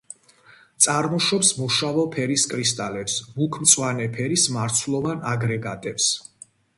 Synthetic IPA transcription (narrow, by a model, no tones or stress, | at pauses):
t̪sʼaɾmɔʃɔpsmuʃavɔpʰɛɾiskʼɾist̪ʼalɛpsbukʰmt̪sʼwanɛpʰɛɾismaɾt̪sʰlˠɔvanaɡɾɛɡat̪ʼɛps